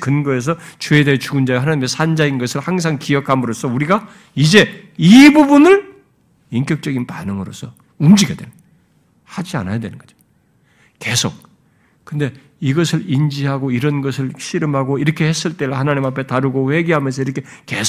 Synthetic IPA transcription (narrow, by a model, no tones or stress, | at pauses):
kɯnɡʌes̬ʰʌt͡ɕue̞de̞ɦet͡ɕuɡɯnd͡ʑaɡɦanaɲimesʰand͡ʑainɡʌsʰɯɭhaŋs̬ʰaŋkiʌkʰamɯɾosʰʌuɾiɡa | id͡ʑe̞ | ibubunɯɭ | iŋkjʌk̚t͡ɕ͈ʌɡinpanɯŋɯɾo̰sʰʌ | umd͡ʑiɡedwe̞̰ɭ | had͡ʑia̰najadwe̞nɯnɡʌd͡ʑo̥ | ke̞sʰok̚ | kɯnde̞ | iɡʌsʰɯɭind͡ʑiɦaɡoiɾʌnɡʌsʰɯɭɕʰiɾɯmɦaɡoiɾʌkʰe̞he̞s͈ɯɭt͈e̞ɾɯɭhanaɲimapʰe̞taɾɯɡoɸwe̞ɡiɦamjʌns̬ʰʌiɾʌkʰe | ke̞s